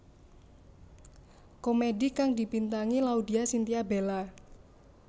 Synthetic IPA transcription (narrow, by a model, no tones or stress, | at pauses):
komedikaŋdi̤pint̪aŋilaud̪i̤asint̪iabela